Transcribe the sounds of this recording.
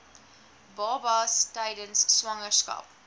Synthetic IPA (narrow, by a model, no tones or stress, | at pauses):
bɑːbɐstɛjdənsːwɐŋəskɐ̰p